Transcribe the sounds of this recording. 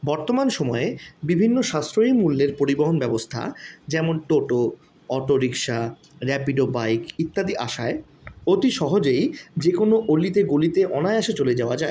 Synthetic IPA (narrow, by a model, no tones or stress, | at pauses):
bɔɾt̪omanʃɔmɔeebibʱinːoʃast̪ɾoimulːeɾpoɾiboɦonbɛbost̪ʰa̰d͡ʑɛmonʈoʈo | ɔʈoɾikʃa | ɾɛpiɖobajkit̪ːad̪iʔa̰ʃae | ot̪iʃɔɦod͡ʑejd͡ʑekonoʔolit̪eɡulit̪eʔɔnaeaʃet͡ɕoled͡ʑaoad͡ʑae